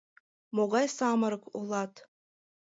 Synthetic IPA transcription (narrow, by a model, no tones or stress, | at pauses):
moɣɑjsɑmɤɾɤko̰lˠɑt̪